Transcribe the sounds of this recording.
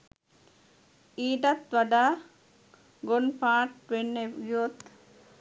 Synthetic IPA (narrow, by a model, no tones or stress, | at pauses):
iːɖɐt̪ʋɐɖaː | ɡonpaːʈʋenːeɡiot̪